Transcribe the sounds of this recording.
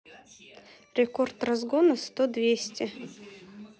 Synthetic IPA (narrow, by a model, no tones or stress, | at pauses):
ɾʲɪkort̪rɐzɡonəst̪od̪vʲesʲtʲɪ